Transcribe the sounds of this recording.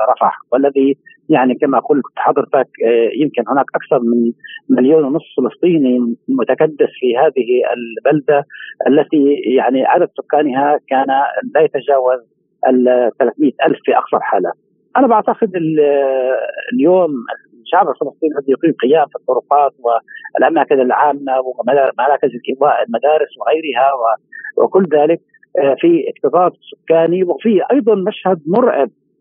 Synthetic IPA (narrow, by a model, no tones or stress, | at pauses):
ɾˤɑfɑ̰ʕwʔalːaði | jaʕnikamaʔaquːlːakt̪ːħɑd̪ˤːɨɾt̪akjɪmkɪnhʊnaːkʔakθɑɾˤmɪnmɪljoːnwnʊsˤːfɪlɨsˤt̪ˤiːnimʊt̪akad̪ːɪθfihaːðɪhiɪ̰lbald̪aʔalːat̪ijaʕniʕa̰d̪ad̪sʊkːaːnɪɦakaːnalajat̪ad͡ʒaːwaz | ʔalt̪ːalaːθmɪjːat̪ʔalfːiʔɑ̰ksˤɑɾˤħa̰ːla̰ | ʔanabaʕt̪aqɪd̪ɪl | ljoːmɪ̰ | ʃaʕbɪlfɪlɑsˤt̪ˤiːnʕɑd̪jʊqiːmqɪjaːmfit̪ˤːʊɾʊqɑːt̪̚wɪlʔamaːkɪnalʕaːmːawɪmaɾˤɑːkɪzɪlʔɪwaːʔɪlmad̪aːɾɪswɪɣajɾɪɦawɪwɪ̰kʊlːðaːlɪk̚ | fiʔɪqt̪ɨsˤɑːb̪sʊ̥kːaːniwɪfiʔɑjd̪ˤɑnmaʃhad̪mʊɾˤʕɪ̰b̚